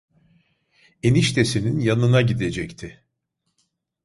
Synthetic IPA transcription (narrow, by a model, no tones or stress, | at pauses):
eniʃt̪ʰe̞sininjanɯnaɟid̪e̞d͡ʒɛct̪ʰɪ